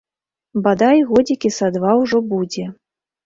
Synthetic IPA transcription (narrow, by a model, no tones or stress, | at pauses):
bad̪ajɣɔd͡zʲikʲisad̪vawʐɔbud͡zʲɛ